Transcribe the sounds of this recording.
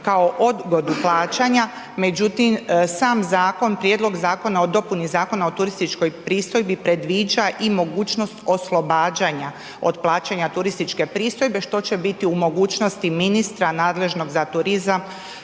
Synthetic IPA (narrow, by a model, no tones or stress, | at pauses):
kao̞ʔo̞d̪ɡod̪uplˠaːt͡ʃaɲa | me̞d͡ʑut̪imsaːmzaːko̞npɾjed̪lˠo̞ɡzaːko̞nao̞d̪o̞punizaːko̞naot̪uɾist̪it͡ʃko̞jpɾiːst̪o̞jbipɾe̞d̪ʋiːd͡ʒaʔimo̞ɡuːt͡ʃno̞st̪o̞slˠo̞baːd͡ʒaɲa | od̪plˠaːt͡ɕaɲat̪uɾist̪it͡ʃke̞pɾiːst̪o̞jbe̞ʃt̪o̞t͡ɕe̞bit̪iumo̞ɡuːt͡ʃno̞st̪iminist̪ɾanaːd̪le̞ʒno̞ɡzat̪uɾizam